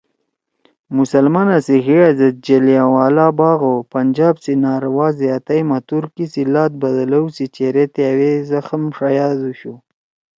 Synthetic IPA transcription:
mʊsalmɑnasixiazəd̪̚d͡ʒeliawɑːlɑbɑɣopand͡ʒɑbsinɑɾwɑzeat̪ajmat̪uɾkisilɑt̪̚bad̪alawsit͡ʃeɾet̪eawezaxəmʂajɑd̪uʃu

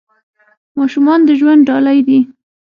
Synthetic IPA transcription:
mɑʃumɑnd̪əʒwand̪ɖɑlajd̪i

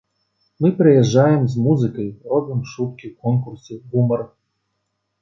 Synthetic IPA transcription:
mɨpɾɨjɛʐːajɛmzmuzɨkɐjrɔb̪ɨmʂut̪̚kʲiwkɔnkursʲɛɡumɐr

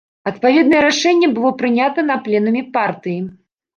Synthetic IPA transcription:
ɐt̪̚pavʲɛd̪nɐjɛɾaʂɛnʲːɛbɨlˠɔpɾɨnʲat̪ɐnɐplʲɛnɐmʲipart̪ɨji

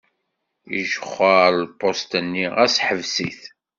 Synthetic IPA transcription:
ḭʒəχːəɾlpːost̪ənːiʁæsħəvsḭθ

